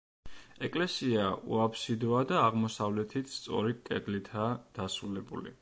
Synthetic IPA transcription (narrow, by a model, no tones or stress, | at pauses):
ɛkʼlɛsiaṵapʰsid̪ɔad̪aːʁmɔsavlɛt̪ʰit̪ʰst̪sʼɔ̰ɾik̪ʼɛɡlit̪ʰad̪̥asɾulɛbṵlḭ